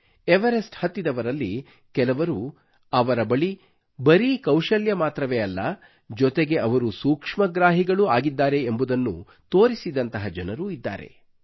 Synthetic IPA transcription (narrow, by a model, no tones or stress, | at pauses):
eʋɐɾesʈhɐt̪ːid̪ɐʋɐɾɐlːi | kɛlɐʋɐɾu | ɐʋɐɾɐbɐɭi | bɐɾikɐwʃɐljɐmaːt̪ɾɐʋeːɐlːɐ | d͡ʒɔt̪eɡe̞ʔɐʋɐɾusuːkʂmɐɡɾaːɦiɡɐɭuaːɡid̪ːaːɾe̞mbud̪ɐnːṵ | t̪oːɾisid̪ɐnt̪ɐɦɐd͡ʒɐnɐɾuid̪ːa̰ːɾe̞̰